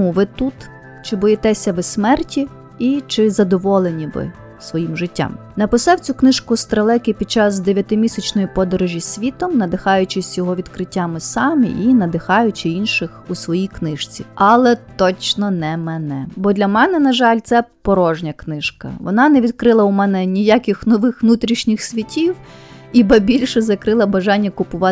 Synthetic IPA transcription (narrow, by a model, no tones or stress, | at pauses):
uʋɪt̪ut̪ | t͡ʃɪbɔjɛt̪ɛsʲɐʋɪsʲmɛrtʲi | it͡ʃɪzɐd̪ɔʋɔlˠenʲiʋɪ̰ | sʋɔjimʒɪtʲːa̰m | nɐpɪsɑwt͡sʲuknɪʃkʊst̪ɾɐlˠɛkɪpʲid̪̚t͡ʃɑzd̪eʋʲjɐt̪ɪmʲisʲɐt͡ʃnɔjipɔd̪ɔɾɔʒʲisʲʋʲit̪ɔmnɐd̪ɪxɑjʊt͡ʃɪsʲjɔɦɔʋʲid̪kɾɪtʲːamɪsɑmʲḭʔinɐd̪ɪxɑjʊt͡ʃɪinʃɪxusʋɔjijknɪʃt͡sʲḭɑlˠɛt̪ɔt͡ʃnɔnɛmɛnɛbɔd̪lʲɐmɛnɛnɐʒɑlʲt̪sɛpɔɾɔʒnʲɐknɪʃkɐ̰ʋɔ̰nɑnɛʋʲid̪kɾɪlˠɐʊmɛnɛnʲijakʲɪxnɔʋɪxʋnut̪ɾʲiʃnʲɪxsʲʋʲitʲiwibɐbʲilʲʃɛzɐkɾɪlˠɐbɐʒɑnʲːɐkʊpʊʋɑ